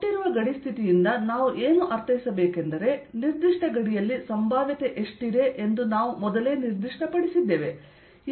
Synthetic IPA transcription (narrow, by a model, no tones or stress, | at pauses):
iɾuʋɐɡɐɽist̪ʰit̪ijind̪ɐnaːʋuʔeːnuʔɐɾt̪ʰɐjisɐbeːkend̪ɐɾe̞niɾd̪iʂʈɐɡɐɽijɐlːisɐmbʱaːʋjit̪eʔeʂʈid̪e̞ʔend̪unaːʋumɔd̪ɐle̞ːniɾd̪iʂʈɐpɐɽisid̪ːeːʋe̞